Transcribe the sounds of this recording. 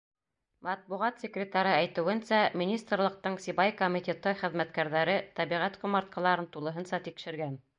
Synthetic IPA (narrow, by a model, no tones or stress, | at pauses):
mɑt̪̚buʁɑt̪sʲekrʲɪt̪ɑɾɤæjt̪ɘ̆wɘ̆nsæmʲinʲist̪rlˠɤ̆q̚t̪ɤɴsʲibɑjkomʲit̪ʲet̪ɤχɘ̆ðmæt̪kæɾðæɾɘt̪æβiʁæt̪qŭmɑɾt̪̚qɑ̆lˠɑɾɤnt̪ulˠɤ̆ɦɤ̆nsɑt̪ikʃɘ̆ɾɡæn